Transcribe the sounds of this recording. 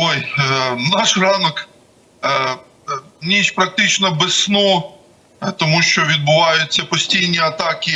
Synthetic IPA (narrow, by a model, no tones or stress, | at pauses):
ojnɑʃrɑnɔk | nʲiʃpɾɐk̚t̪ɪt͡ʃnɔbɪsnɔ | t̪ɔmuʃt͡ʃɔʋʲid̪̚bʊʋɑjʊt͡sʲːɐpɔsʲtʲijnʲiɐt̪ɑkʲɪ